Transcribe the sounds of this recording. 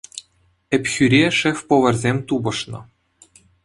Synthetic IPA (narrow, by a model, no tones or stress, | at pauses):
ɘ̆pʲxʲyɾʲeʂefʲpoʋɤ̆rʲzʲemʲt̪ubɤ̆ʂnɤ̆